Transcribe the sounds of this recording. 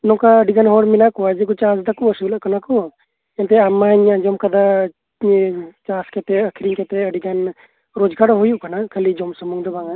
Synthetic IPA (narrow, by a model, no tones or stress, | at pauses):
nɔ̃kaəɖiɡanɦɔɽminakɔwad͡ʒɛkɔt͡ʃasd̪akuəsublaʔkanakɔ | ɛnt̪ɛamaɲad͡ʒɔmkad̪a | t͡ʃaskɛt̪ɛəkʰiɾiɲkɛt̪ɛəɖiɡan | ɾɔd͡ʒɡaɽɔɦujuʔkanakʰəlid͡ʒɔmsəmuŋd̪ɔbaŋa